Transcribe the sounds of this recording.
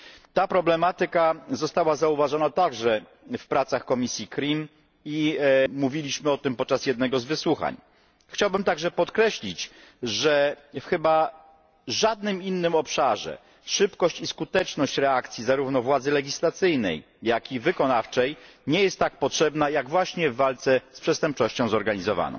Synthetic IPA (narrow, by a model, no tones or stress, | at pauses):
t̪apɾɔblɛmat̪ɘkazɔst̪awazauvaʐɔnat̪aɡʐɛ | fpɾat̪saxkɔmʲisʲjikɾʲim | imuvʲilʲiɕmɘɔt̪ɘmpɔt̪̚t͡ʂasjɛd̪nɛɡɔzvɘswuxa̰ɲ | xt͡ɕawbɘmt̪aɡʐɛpɔt̪kɾɛɕlʲit͡ɕʐɛ | fxɘba | ʐad̪̚nɘminːɘmɔpʂaʐɛ̰ | ʂɘpkɔɕt͡ɕiskut̪ɛt͡ʂnɔɕt͡ɕɾɛakt̪sʲjizaɾuvnɔvwad̪zɘlɛɡʲislat̪sɘjnɛ̰j | jakʲivɘkɔnaft͡ʂɛjɲɛjɛst̪ːak̚pɔtʂɛbnajaɡvwaɕɲɛvːalt̪sɛspʂɛst̪ɛmp̚t͡ʂɔɕt͡ɕɔ̃w̃zɔɾɡaɲizɔva̰nɔ̰̃w̃